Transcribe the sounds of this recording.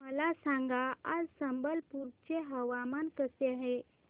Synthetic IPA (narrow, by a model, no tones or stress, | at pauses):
məlasãŋɡaad͡zsəmbəlpuɾt͡ɕeɦəʋamankəseaɦe